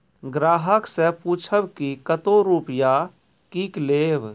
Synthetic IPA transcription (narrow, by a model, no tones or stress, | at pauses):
ɡɾaːɦəksẽpuːt͡ʃʰəbkikət̪oɾuːpja | kiːkleːb